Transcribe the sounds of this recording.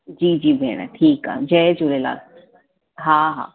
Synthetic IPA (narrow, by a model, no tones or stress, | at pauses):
d͡ʒiːd͡ʒiːbʱɛ̰ːɽ̃a̰ʈʰiːka̰ːd͡ʒɛd͡ʒoɾela̰ː | ɦãːɦa̰ː